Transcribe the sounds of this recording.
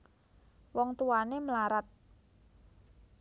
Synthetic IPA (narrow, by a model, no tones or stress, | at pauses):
wɔŋt̪uwaneməlaɾat̪̚